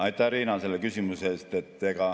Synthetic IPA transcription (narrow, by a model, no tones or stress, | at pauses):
ɑjt̪ːˑɑɾiːnɑse̞lːekysimuseeːst̪e̞t̪ːeɡ̥ɑ